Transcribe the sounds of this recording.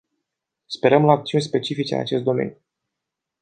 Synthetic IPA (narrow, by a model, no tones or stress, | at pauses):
spe̞ɾəmlaakt̪siunʲspe̞t͡ʃifit͡ʃḛa̰t͡ʃe̞st̪d̪o̞me̞̰nʲju